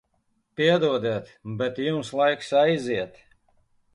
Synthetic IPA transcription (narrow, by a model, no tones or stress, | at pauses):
piɛd̪uɔd̪ɛt̪bɛt̪jumslˠajksajziɛt̪